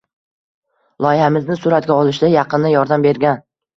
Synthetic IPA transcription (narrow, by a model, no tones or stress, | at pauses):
lˠɒjɪhamɪznɪsʊɾat̪̚ɡʲaɒlˠɪʃd̪ajɑqɨnd̪ajɒɾd̪ambe̞ɾɡʲan